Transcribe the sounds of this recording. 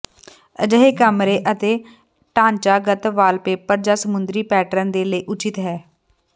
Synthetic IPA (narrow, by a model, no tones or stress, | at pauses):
əd͡ʒəɦeːkəmɾeːʔət̪eː | ʈãːnt͡ʃaːɡət̪ʋaːlpeːpəɾd͡ʒaːsəmʊnd̪ɾiːpɛːʈɾənd̪eːləiːʔʊt͡ʃɪt̪ɦɛː